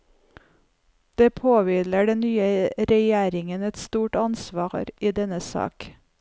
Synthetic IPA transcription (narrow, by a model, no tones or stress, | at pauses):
d̪̥eːpʰoːʋɪləɖɛnnyːəɾɛjæːɾɪŋənɛt̪st̪uːʈɑnsʋɑːɾiːd̪ɛnəsɑ̰ːk